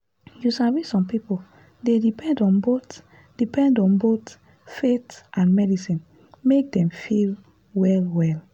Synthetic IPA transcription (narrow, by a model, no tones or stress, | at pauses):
jusavisɔ̃mpipo | dedipɛ̃ndɔ̃nbot | d̥ipɛ̃ndɔ̃nbot | fetʔãnmɛdisĩn | mek̚dɛ̃mfil | wɛlwɛl